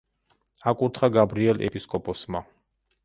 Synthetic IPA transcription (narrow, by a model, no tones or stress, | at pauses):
akʼuɾt̪ʰχaɡabɾiɛlɛ̰pʼiskʼɔpʼɔsma